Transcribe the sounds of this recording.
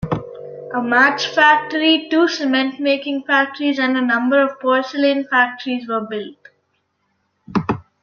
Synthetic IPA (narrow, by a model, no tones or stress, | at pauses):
ʔəmæt͡ʃfæk̚ʈəɾiʈuːsɪmɛ̃ɳʈmeːkɪ̃ŋfæk̚ʈəɾizæ̃ɳɖənʌ̃mbəɾɔʋpɔːɾsəlĩnfæk̚ʈəɾizʋəːbɪlʈ